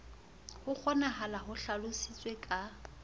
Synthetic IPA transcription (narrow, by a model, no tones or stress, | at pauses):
hʊk͡xʰɔnaɦalaɦʊɬalʊsɪt͡sʼwekʼa